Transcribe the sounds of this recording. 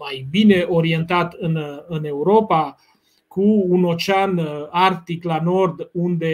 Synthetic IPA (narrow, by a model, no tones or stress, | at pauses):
majbine̞ʔo̞ɾie̞nt̪at̪ɨnɨne̞uɾo̞pa | kuːno̞t͡ʃeanart̪iklano̞rd̪und̪e̞